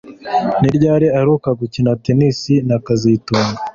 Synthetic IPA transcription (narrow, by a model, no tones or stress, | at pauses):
niɾɟaːɾeaɾukaɡucinatenisinakazituːŋɡa